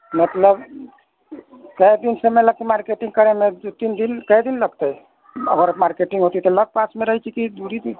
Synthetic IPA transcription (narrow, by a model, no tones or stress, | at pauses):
mət̪ləb | kəjd̪insemeləɡ̚t̪emaɾkeʈĩŋɡkəɾemed̪ut̪ind̪inkəjd̪inləɡ̚t̪əj | ə̰ɡəɾmaɾkeʈiŋɡɦot̪it̪ɔləɡ̚pasmeɾəɦjt͡ʃʰikid̪uɾid̪u